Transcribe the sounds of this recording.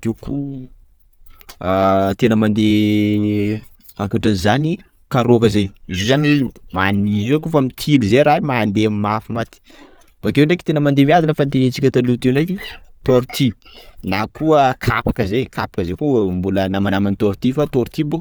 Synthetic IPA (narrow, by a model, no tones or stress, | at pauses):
t̪ewkʰu | t̪enəmand̪e | akaʈ͡ʂanzani | kaɾokəzejizozaniimaniizokufamit̪ʰilizeɾaimaːnd̪emimafimat̪i̥ | b̥akewɳɖ͡ʐeki̥t̪enəmand̪emiazanəfant̪enit͡sikʲət̪alut̪enekit̪oɾit̪ʰinakʰuəkʰapḁkəzekʰapḁkəzekumbulənamanamanit̪oɾt̪ifat̪oɾt̪ibuk